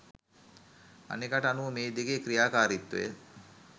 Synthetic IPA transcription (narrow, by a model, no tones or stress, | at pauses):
a̰nekaʈəanuʋəmeːd̪eɡekɾijaːkaːɾit̪ːṵ